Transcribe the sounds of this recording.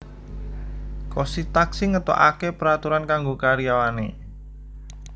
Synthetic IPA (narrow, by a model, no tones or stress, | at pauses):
kosit̪aksiŋət̪ɔ̰ʔa̰kepəɾat̪uɾankaŋɡokaɾijawane